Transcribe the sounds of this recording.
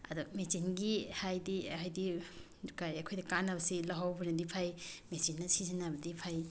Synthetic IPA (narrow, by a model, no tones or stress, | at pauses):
ɐ̰dumesinɡihajdiajdi | dukajɐkʰojdɐkanɐbɐsilaɦawbɐnɐdipʰajmesinːɐsizɐnabɐdipʰaj